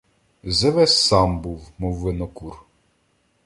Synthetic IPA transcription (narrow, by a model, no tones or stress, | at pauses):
zɛʋɛsːɑmbuwmɔwːɪnɔkur